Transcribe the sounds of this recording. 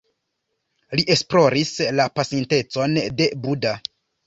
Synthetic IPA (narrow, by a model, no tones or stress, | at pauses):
liʔe̞splo̞ɾislapasinte̞t͡so̞nde̞buda